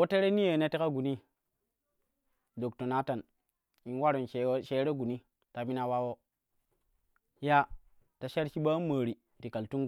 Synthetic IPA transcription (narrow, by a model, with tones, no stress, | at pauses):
wo˦te˦ɾe˦ni˦je˨ne˦te˦ka˦ɡu˨ni˦ | do˨kto˨na˦ta˨n | i˨n˦wa˦ɾo˨nʃe˨˦ʃe˦ɾe˦ɡu˨ni˦ | ta˨mi˦na˦wa˦wo˦ | ja˦ | ta˨ʃe˦ɾʃi˦ɓa˦maː˨ɾi˨ | ti˨ka˨ltu˦ŋ